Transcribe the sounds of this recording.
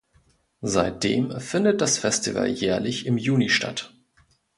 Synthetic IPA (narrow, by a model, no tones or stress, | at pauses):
zaɪt̚d̥ḛːmfɪndət̚d̥asfɛstivə̰ljɛːɐlɪçɪmjuːniʃta̰t